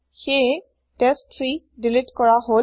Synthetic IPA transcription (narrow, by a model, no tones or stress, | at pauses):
xe | ʈesʈfʰɾi | ɖɪlɪʈkɔɹaɦo